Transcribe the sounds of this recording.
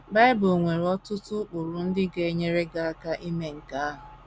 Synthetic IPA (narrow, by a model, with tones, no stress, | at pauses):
ba˦ɪ˦bo˨ŋʷe˨ɾɔ˦tʊ˦tʊ˦k͡pʊ˨ɾʊ˨n̩˦dɪ˦ɡe˦e˦ɲe˦ɾe˦ɡa˦a˦ka˦ʔi˦me˦ŋ̩˨ka˦a˦ɦʊ˨